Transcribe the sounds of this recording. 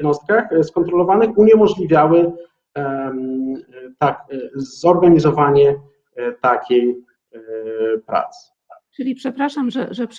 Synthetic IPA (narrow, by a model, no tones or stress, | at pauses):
nɔst̪̚kaxskɔnt̪ɾɔlɔvanɘxuɲɛmɔʐlʲivʲjawɘ | t̪akzɔɾɡaɲizɔvaɲɛ | t̪akʲej | pɾa̰t̪sɨ̥ | t͡ʂɨlʲipʂɛpɾaʂamʐɛ̰ʐɛp